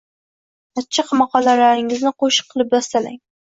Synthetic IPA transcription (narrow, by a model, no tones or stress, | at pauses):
at͡ʃʰːɪqmɑqɒlalaɾɪŋɪznɪqoʃɨ̥qʰːɨlˠɪp̚d̪ɒst̪alaŋ